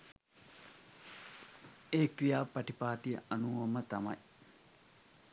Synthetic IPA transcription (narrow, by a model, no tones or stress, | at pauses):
eːkɾijaːpɐʈipaːʈ̪ijəʔɐnuːʋɐmət̪ɐmɐ̰j